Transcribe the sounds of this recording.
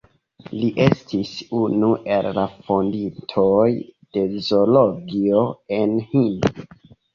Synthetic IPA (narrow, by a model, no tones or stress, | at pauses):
liʔestʰisunuʔe̞llafondintʰojd̥e̞zoloɡio̞e̞nhin